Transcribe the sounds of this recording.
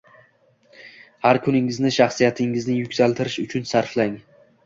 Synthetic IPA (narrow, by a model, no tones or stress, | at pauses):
haɾkʰʊnɪŋɪznɪʃaχsijat̪ʰɪŋɪznɪjʊkʲsalt̪ʰɪɾɪʃʊt͡ʃʰʊnsaɾflaŋ